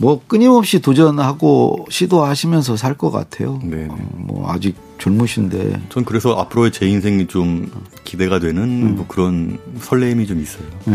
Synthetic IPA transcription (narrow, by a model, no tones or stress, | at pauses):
mwʌk͈ɯɲimʌp̚ɕ͈itod͡ʑʌnhaɡoɕʰidoɦaɕʰimjʌns̬ʰʌs̬ʰaɭk͈ʌk͈a̰tʰe̞̰jonemwʌ̰a̰d͡ʑik̚t͡ɕʌɭmuɕʰinde̞̰t͡ɕʌnkɯɾe̞sʰʌʔapʰɯɾoet͡ɕe̞ins̬ʰeŋit͡ɕom | kide̞ɡadwe̞nɯnokɯɾʌnsʰʌɭːeimit͡ɕomis͈ʌjo